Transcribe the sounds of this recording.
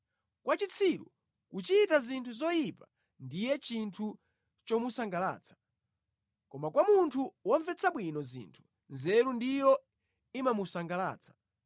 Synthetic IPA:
kwat͡ʃit͡sʰiɾṵ | kut͡ʃitazintʰuzɔjipa | ndijɛt͡ʃintʰu | t͡ʃɔmusaŋɡala̰ːt͡sʰḁ | kɔmakwamuntʰuwɔɱvɛt͡sʰaɓwinɔzḭntʰu̥ | nzɛɾundijɔ | imamusaŋɡala̰ːt͡sʰḁ

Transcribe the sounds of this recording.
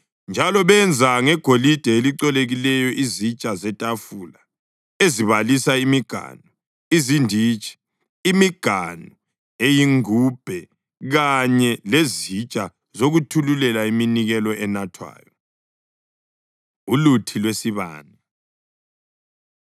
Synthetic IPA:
nd͡ʒʱalɔβɛnd͡zʱaŋɛɡ̥ʱolid̥ʱɛeliǀɛleɣilɛjɔʔizit͡ʃʼazɛtʼafuːla | eziβalisaimiɡ̥ʱa̰nu | izindʱiːt͡ʃʼi̥ː | miɡ̥ʱanu | ejiŋub̥ʱɛ | ɣaɲɛlezit͡ʃʼa | zoɣutʰululɛlaiminiɣɛlɔʔɛnatʰwa̰ːjɔ | ulutʰilwesiβa̰ːni

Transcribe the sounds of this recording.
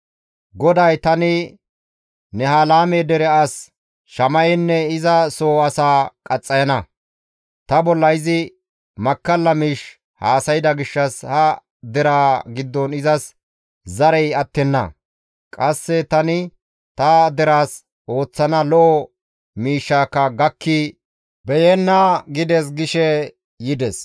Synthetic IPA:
ɡɔd̪ɐjt̪ɐnɪ | nɛhɐlaːmɛd̪ɛɾɛɐs | ʃɐmɐjɛnːɛɪzɐsoːɐsaːkʼɐt͡sʼːɐjɐnɐ | t̪ɐbɔlːɐjzɪ | mɐkːɐlːɐmiːʃ | haːsɐjɪd̪ɐɡɪʃːɐshɐ | d̪ɛɾaːɡɪd̪ːɔnɪzɐs | zɐɾɛjɐt̪ːɛnːɐ̰ | kʼɐsːɛt̪ɐnɪ | t̪ɐd̪ɛɾaːs | o̞ːt͡sːɐnɐlɔʔɔ | miːʃːaːkːɐɡɐkːɪ | bɛjɛnːɐɡɪd̪ɛs̬ɡɪʃɛ | jɪd̪ɛs

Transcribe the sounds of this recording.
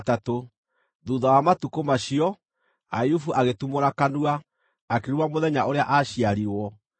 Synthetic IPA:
tato | ðuðawamatukomaɕiɔ | ajufuʔaɣetumoɾakanuaː | keɾumamoðɛɲaʔoɾeaʔaɕiaɾiwɔ

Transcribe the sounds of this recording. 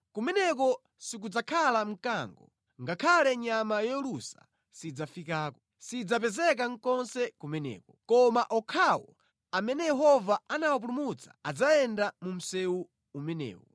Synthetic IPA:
kumɛnɛk̬ɔ | sik̬ud͡zakʰalam̩kaŋɡɔ | ŋɡakʰalɛɲamajɔlusa̰ | sid͡zafikaːkɔ | sid͡zapɛzɛk̬aŋ̩kɔnsɛkumɛnɛ̰ːkɔkɔmaʔɔkʰawɔ̰ | amɛnɛjɛɦɔvaanawap̬ulumut͡sḁad͡zaɛndamum̩sɛwu | umɛnɛ̰ːwɔ̰

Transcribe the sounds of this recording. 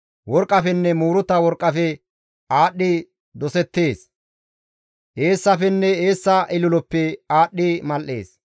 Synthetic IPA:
wɔɾkʼːɐfɛnːɛmuːɾʊt̪ːɐwɔɾkʼːɐfɛ | ʔaːɗːɪ | d̪ɔsɛt̪ːe̞ːs | ʔeːsːɐfɛnːɛeːsːɐʔɪlʊlɔpːɛaːɗːɪmɐlʔːe̞̰ːs

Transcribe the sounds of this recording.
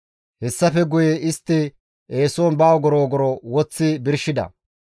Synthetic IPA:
hɛsːɐfɛɡʊjeʔɪst̪ːɪ | ʔeːsoːnbaːwɡɔɾoːɡɔɾɔwɔt͡sːɪbɪɾʃɪd̪ɐ̰

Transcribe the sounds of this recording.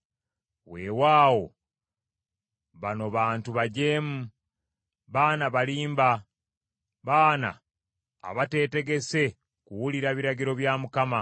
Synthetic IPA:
we̞ːwaːwo̞̰ | βano̞βaːntuβaɟe̞ːmu | βaːnaβaliːmba | βaːna̰ː | βate̞ːte̞ɡe̞se̞ | kuwuliɾaβiɾaɟiɾo̞βjaːmukama

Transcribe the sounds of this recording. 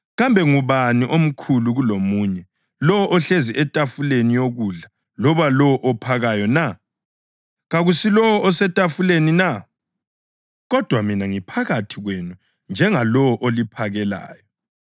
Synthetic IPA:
ɣambʱɛŋuβaniʔom̩kʰuluɣulomuːɲɛ | lɔwɔʔɔɬeziʔɛtʼafulenijoɣuɮa | lɔβalɔwɔʔɔpʰaɣajɔna | ɣaɣusilɔwɔɔsɛtʼafulenina | ɣɔd̥ʱwaminaŋipʰaɣatʰiɣwenu | nd͡ʒʱɛŋalɔwɔʔolipʰaɣɛla̰ːjɔ

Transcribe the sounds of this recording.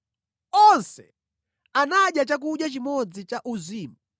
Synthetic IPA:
ɔnsɛ̰ | anaɗjat͡ʃak̬uɗjat͡ʃimɔd͡zit͡ʃaʔuziːma

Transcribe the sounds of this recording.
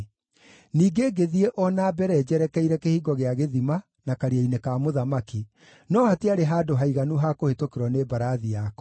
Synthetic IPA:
niːɡeɡeðieʔɔnabɛɾɛd͡ʑɛɾɛkɛiɾɛkehiːɡɔɣeaɣeðima | nakaɾiainekamoðamaki | nɔhateaɾeɦaːdoɦaiɣanuɦakohetokeɾwɔnebaɾaðijakɔ

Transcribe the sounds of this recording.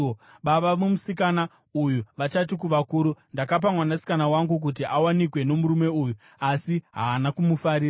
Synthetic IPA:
ɓaɓamumusikana | ujuʋat͡ʃat̬ikuʋakuɾundakap̬amwanasi̥kanawaŋɡuk̬ut̬iʔawanikwe̞no̞muɾume̞uju | asiɦaːnakumufaɾiːra

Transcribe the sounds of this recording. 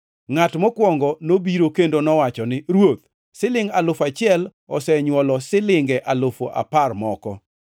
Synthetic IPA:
ŋatmɔkwɔŋɡɔnobiɾokendonɔwat͡ʃɔnɪɾwot̪̚ | sɪlɪŋɡalʊfat͡ʃɪɛl | ɔsɛɲwɔlɔsɪlɪŋɡɛʔalofoʔa̰parmɔkɔ

